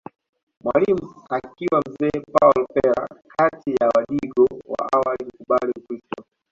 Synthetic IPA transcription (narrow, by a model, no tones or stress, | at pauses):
mwalimuakiwam̩zɛːpaɔlpɛɾa̰kʰatijawaɗiɠɔwa̰ʔawalim̩kuɓalimkɾistɔ